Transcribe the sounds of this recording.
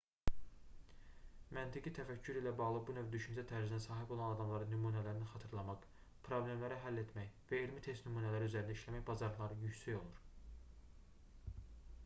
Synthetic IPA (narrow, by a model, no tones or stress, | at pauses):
mænt̪ʰiɡit̪ʰæfæcʰːyɾilæbɑɣlˠɯbunøvd̪yʃynd͡ʒæt̪ʰæɾzid̪ænsɑːɦibo̞lˠɑnɑd̪ɑmlˠɑɾɯnːymuːnælæɾininxɑt̪ʰɯɾlˠɑmɑq | pʰɾo̞blʲe̞mlæɾæɦælːe̞t̪mæjvæelmit̪ʰe̞st̪nymuːnælæɾiyzæɾind̪æiʃlæmæçbɑzɑɾlˠɑɾɯjycsæjo̞lˠuɾ